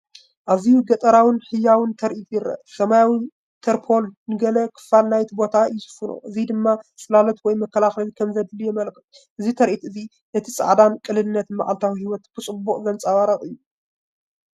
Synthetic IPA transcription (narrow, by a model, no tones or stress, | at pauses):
ʔazijuɡɐt̪ʼɐɾawɨnħɨjːawɨnt̪ʰɐɾʔit̪jɪɾɐ̰ʔsɐmajawɨn | t̪ʰɐɾpʰo̞lnɨɡɐlɐkʰɨ̥falnajt̪ibo̞t̪ʰaɨjusɨ̥funo̰ʔɨzid̪ɨmːasʼɨlalɐt̪wɔjmɐkːɐlaxlɐlkʰɐmzɐd̪ɨlɨjɛmɐlkʰɨf | ʔɨzit̪ʰɐɾʔit̪ʔɨzi | nɐt̪ʰisʼɐ̰ʕd̪ankʼɨlɨnɨnːɐt̪ma̰ʔa̰lt̪ʰawihiwɔt̪b̥ɨt͡sʼɨbːuχʼzɐnt͡sʼaβaɾɐχʼɨjːu